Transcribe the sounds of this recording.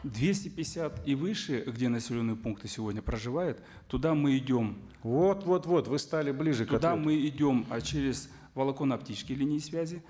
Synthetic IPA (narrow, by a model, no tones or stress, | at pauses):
d̪vʲesʲtʲɪpʲɪsʲat̪ivɨʂɨɡdʲenəsʲɪlʲonːɨjəpunk̚t̪ɨsʲɪvo̞dʲnʲəpɾəʐɨvajʊt̪ːʊd̪amɨɪdʲo̞m | vot̪vot̪vo̞t̪vɨst̪alʲɪblʲiʐɨk̪ɐd̪aamɨɪdʲo̞mt͡ɕeɾʲɪz̥ | vəlˠɐko̞nɐptʲit͡ɕskəjlʲinʲɪːsvʲæzʲɪ